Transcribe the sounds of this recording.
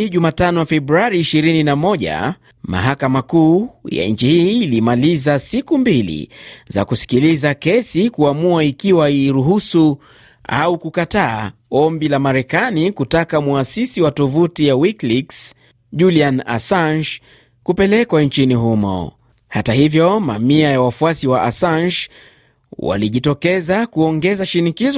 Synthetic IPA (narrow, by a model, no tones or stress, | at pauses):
iʄumatanɔafɛbɾuaɾiːʃiɾininamɔʄa̰ | ma̰ɦakamakuːja̰ɲt͡ʃihiːlimalizasikumbilḭza̰kusi̥kilizakɛsikuamuaikiwaiɾuɦusu | a̰ukukataːɔmbilamaɾɛkanikutakamuasisiwatɔvutijawikliks | ʄuliana̰sanʃ | kupɛlɛkwant͡ʃiniɦumɔ̰ | hatahivjɔma̰miajawafuasiwaʔasanʃ | wa̰liʄitɔkɛzakuɔŋɡɛzaʃinikiz